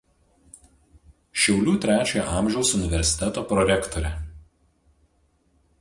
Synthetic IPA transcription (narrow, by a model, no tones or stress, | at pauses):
ʃʲɛʊlʲuːt̪ʲɾʲæːt͡ʃʲoːjɔ̰ʔɑˑmʲʒʲɛʊsʊnʲɪʋʲɛɾʲsʲɪ̥t̪ʲɛt̪oːpɾɔɾʲɛkt̪ɔɾʲɛ